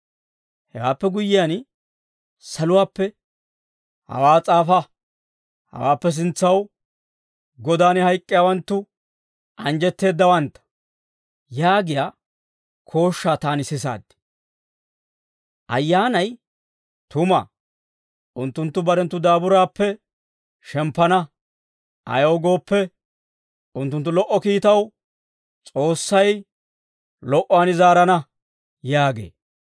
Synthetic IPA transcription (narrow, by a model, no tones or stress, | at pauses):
hɛwaːpːɛɡʊjɪjaːn | sɐlʊwaːpːɛ | hɐ̰waːt͡sʼaːfɐ | hɐ̰waːpːɛs̬ɪnt͡sːɐw | ɡɔd̪aːnɪhɐjkʼːɪjaːwɐnt̪ːʊ | ʔɐnd͡ʒɛt̪ːe̞ːd̪ːɐwɐnt̪ːɐ̥ | jaːɡɪjaː | kʰo̞ːʃːaːt̪aːnɪsɪs̬a̰ːd̪ːɪ̥ | ʔɐ̰jːaːnɐj | t̪ʊmɐ̰ | ʔʊnt̪ːʊnt̪ːʊbɐɾɛnt̪ːʊd̪aːbʊɾaːpːɛ | ʃɛmpːɐnɐ | ɐ̰jowɡo̞ːpːɛ | ʊnt̪ːʊnt̪ːʊlɔʔːɔkiːt̪ɐw | t͡sʼo̞ːsːɐj | lɔʔɔaːnɪzaːɾɐnɐ | jaːɡḛː